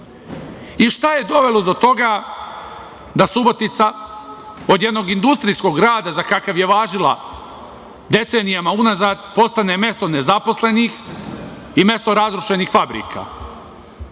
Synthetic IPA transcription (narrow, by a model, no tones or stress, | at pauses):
iʃt̪aje̞d̪o̞ʋe̞lod̪o̞t̪o̞ɡa | d̪asubo̞t̪it̪sa | o̞d̪je̞d̪no̞ɡind̪ust̪ɾijsko̞ɡɾaːd̪azakakaʋje̞ʋaːʒilˠa̰ | d̪e̞t̪se̞ːnijamaunazaːd̪po̞st̪ane̞mje̞st̪o̞ne̞zapo̞sle̞nix | ime̞st̪oɾazɾuʃe̞nixfabɾḭːka̰